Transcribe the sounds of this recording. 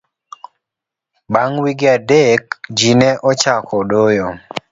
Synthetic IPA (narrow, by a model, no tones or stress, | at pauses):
baŋwiɡɪadekd͡ʒinɛʔɔt͡ʃakʰɔdojo